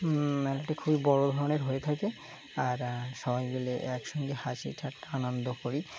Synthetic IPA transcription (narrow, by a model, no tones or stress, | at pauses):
ɛlaʈekʰubibɔɽod̪ʱɔɾoneɾɦojet̪ʰake | aɾʃɔbajɡuleʔɛkʃɔŋɡehat͡ɕḭʈʰaʈanond̪okoɾi